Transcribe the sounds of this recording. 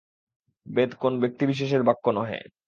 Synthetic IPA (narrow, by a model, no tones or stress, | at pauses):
bed̪konobek̚t̪ibiʃ̬eʃ̬eɾbakːonɔɦḛ